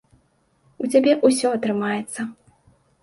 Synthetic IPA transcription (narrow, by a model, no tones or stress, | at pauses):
ut͡sʲabʲɛʔusʲɔɐt̪ɾɨmajɛt̪sːɐ